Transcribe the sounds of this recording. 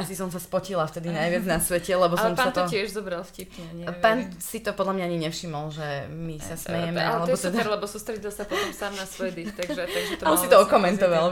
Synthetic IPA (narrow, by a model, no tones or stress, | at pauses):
asisɔms̬aspɔcilaft̪ɛd̪inajʋɪad͡znasʋɛcɛlɛbɔslɔmpaant̪ɔɪɛʒzɔbɾalˠfcipɲɛɲpaːnsit̪ɔpɔd̪lamɲaaɲiɲɛfʃimɔlʒɛmisasmɛjɛmɛ̰ʔalɛbbɔt̪ɛd̪ɛɾlɛbɔsuːst̪ɾɛɟilˠsapɔt̪ɔmsaːmnasɔjd̪ist̪aɡʒɛt̪aɡʒɛt̪ɔalsit̪ɔɔkɔmɛnt̪ɔʋal